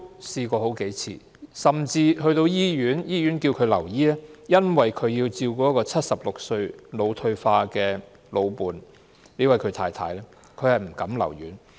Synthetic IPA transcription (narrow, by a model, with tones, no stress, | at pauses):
siː˧kɔː˧ɦo˨˥wke˨˥jt͡sʰḭː˨˩ | sɐ˨mt͡siː˧hɵ˧ɥt̪o˧wjiː˥jyː˨˥njiː˥ɥy˨˥nkiː˧wkʰɵ˨˧ɥlɐ̰˨˩wjiː˥lɛː˥jɐ˥nwɐ˨jkʰɵ˨˧ɥjiː˧wt͡siː˧wkɔː˧˥kɔː˧t͡sʰɐ˥t̚sɐ˨p̚lʊ˨k̚sɵ˧ɥlo˨˧wt̪ʰɵ˧ɥfaː˧kɛː˧ | lo˨˧wpuː˨n | le˨˧jwɐ˨jkʰɵ˨˧ɥt̪ʰaː˧jt̪ʰa̰ː˨˧˥jlɛː˥ | kʰɵ˨˧ɥhɐ˨jm̩˨˩kɐ˨˥mlɐ̰˨˩wjyː˨˥n